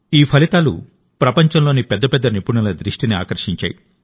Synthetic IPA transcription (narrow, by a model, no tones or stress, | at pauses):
iːpʰɐlit̪aːlṵ | pɾɐpɐɲt͡ʃɐmlo̞ːnipɛd̪ːɐpɛd̪ːɐnipuɳɐlɐd̪ɾiʂʈinia̰ːkɐɾʂiɲt͡ʃa̰ːji